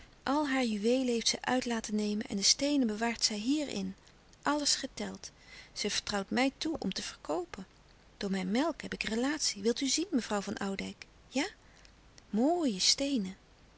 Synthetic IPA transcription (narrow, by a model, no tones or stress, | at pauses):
ʔɑlˠɦaːɹjyʋejləɦejftsɛjʔœɥtlaːtənejmənʔɛ̰ndəstejnəbəʋaːɹtsɛjɦiːɹɪ̰n | ʔɑləsχətɛlˠtz̥əv̥əɹtrɑwtmɛjtuʔɔ̰mtəv̥əɹkowpən | d̥ʊːɹmɛjnmɛlˠkɦɛpɪkrəlaːtsiʋɪlˠtyzinməvrɑwvɑnʔɑwdɛjk | jaː | moːjəstejnə